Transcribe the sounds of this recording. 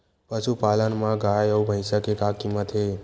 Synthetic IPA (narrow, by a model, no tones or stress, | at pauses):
pəʃupalənmãɡajoubʱəjʃakekakimət̪ʰe